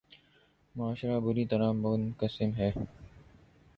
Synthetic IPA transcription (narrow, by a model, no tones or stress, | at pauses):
mʊaːʃɾabʊɾit̪ɐɾaːʊnkəsɪmɦɛː